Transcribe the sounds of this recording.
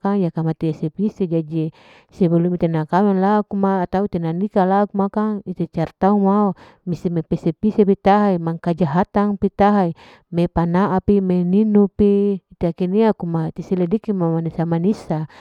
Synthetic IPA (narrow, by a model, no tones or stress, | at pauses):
kaŋjakamat̪iesepised͡ʒad͡ʒi | sebulumit̪enakamɛnlakumaːt̪aut̪enanikalakumakaŋit̪et͡ʃart̪aumao | misemepesepisepit̪aɦaimaŋkad͡ʒaɦat̪aŋpit̪aɦai | mepanaʔapimeninupiːt̪iakiniakumat̪isiledikimamanisamanisa